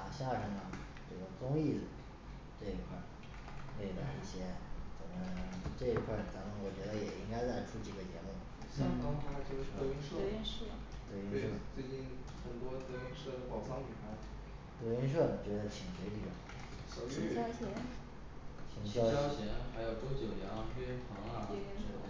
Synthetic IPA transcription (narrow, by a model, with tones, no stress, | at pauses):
a˨˩ɕja˥˩ʂə˧˩ŋnə˨ | ʈ͡ʂɤ˥˩ɡə˩t͡sʊ˥ŋi˥˩d͡z̩˨˩ | ʈ͡ʂɤ˥˩i˧˥kʰwa̰˥˩ | we˥˩ɪla˥˧˩i˥˩ɕjɛ˥t͡sə˨˩mə˦ʈ͡ʂɤ˥˩i˧˥kʰwa˥˩t͡sa˧˥mə˧˥wɔ˨˩t͡ɕɥɛ˧˥d̪ə˧jɛ˨˩i˥ŋka˥ɪt͡sa˥˩ɪʈ͡ʂʰu˥t͡ɕi˨˩ɡə˧˦t͡ɕjɛ˧˥lwə˥˩ | ɕɑ˥˩ŋkɑ˥ŋt̪a˥t͡ɕo˥˧˥e˥˧i˥ʂə˥˩˥nʂ̩˥˩t̪we˥˧˩y˥ʂə˥˩t͡swe˥˧t͡ɕi˥˩nxə˨˩nt̪wɔ˥t̪ə˥˩ʂə˥pɑ˨˩ʊsɑ˥ŋli˨˩xʰa˥˩ɪ | t̪we˧˥y˥nʂ̬wə˥˩t͡ɕɥɛ˧˥d̪ə˧˩t͡ɕʰi˨˩ŋʂwe˧˥ɪʈ͡ʂy˨˩˧ | i˧˥jɑ˥ʊɕjɛ˧˥n | t͡ɕʰi˧˥ŋɕjɑ˥ɑ˥ʊɕjɛ˧˥nxa˧˥ɪjo˨˩ʊʈ͡ʂo˥ʊt͡ɕjo˨˩ʊjɑ˧˥pɛ˥pʰɑ˧˥ŋ˥˩˥ʂ̩˥˩˧